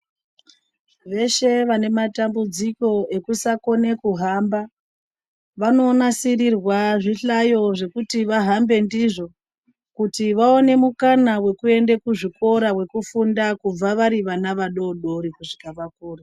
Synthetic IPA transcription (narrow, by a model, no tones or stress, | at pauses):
ʋe̞ʃe̞ʋane̞matambud͡ziko̞e̞kusako̞ne̞kuɦamba | ʋano̞ːnasirirwaʐiɬajo̞ʐe̞kutiʋaɦambe̞ndiʐo̞ | kutiʋaone̞mukanawe̞kue̞ndekuʐiko̞ɾawe̞kufundakub͡vaʋaɾiʋanaʋaɗo̞ɗo̞ɾikuʐikaʋakuːra